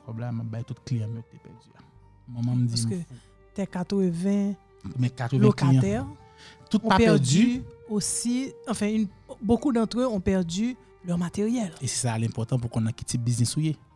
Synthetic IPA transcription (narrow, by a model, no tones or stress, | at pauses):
pɔblɛmabajt̪ut̪klijãmøkt̪epɛʁdya | mɐ̃mãm̩d͡ziskø | t̪ɛkat̪ʁəvɛ̃ | mɛ̃kat̪ʁəlɛokaitj̪̃ɛʁ | t̪ut̪̚ɔ̃papɛpɛʁdyosiɑ̃fɛ̃ynbokud̪ɑ̃t̪ʁøɔ̃pɛʁdy | lœʁmat̪eʁjɛlese̥salɛ̃pɔʁt̪ɑ̃pukɔ̃nãki̥tibiznisuje